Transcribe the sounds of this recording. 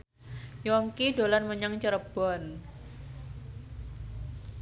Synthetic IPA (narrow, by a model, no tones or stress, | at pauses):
jɔŋkido̤lanməɲaŋt͡ʃəɾəb̥ɔn